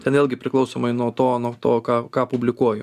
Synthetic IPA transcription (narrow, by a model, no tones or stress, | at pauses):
tʲɛnʋeːlʲɡʲɪpʲɾʲɪklˠɐʊsoːmɐɪnuɔt̪oːnuɔt̪oːkɑːkɑːpʊbʲlʲɪkuɔjʊ